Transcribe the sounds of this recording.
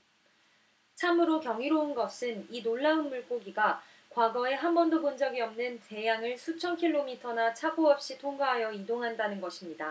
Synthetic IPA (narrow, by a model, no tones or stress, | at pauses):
t͡ɕʰamɯɾokjʌŋiɾounɡʌsʰɯninoɭːaɯnmuɭk͈oɡiɡa | kwaɡʌe̞ɦanbʌndobond͡ʑʌɡiʌmnɯnte̞jaŋɯɭsʰut͡ɕʰʌnkʰiɭːomitʰʌnat͡ɕʰaboʌp̚ɕ͈itʰoŋɡaɦajʌidoŋɦandanɯnɡʌɕʰimɲida